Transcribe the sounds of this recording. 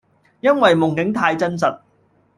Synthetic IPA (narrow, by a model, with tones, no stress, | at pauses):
jɐ˥nwɐ˨jmʊ˨˩ŋkɪ˨˥ŋt̪ʰaː˧jt͡sɐ˥ns̬ɐ˨t̚